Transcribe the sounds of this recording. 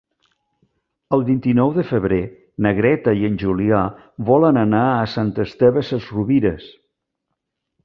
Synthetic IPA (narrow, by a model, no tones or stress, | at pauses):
əlˠβint̪inɔwðəfəβɾe | nəɣɾɛt̪əiənʲʒulia | βɔlənənaəsant̪əst̪ɛβəsəzruβiɾəs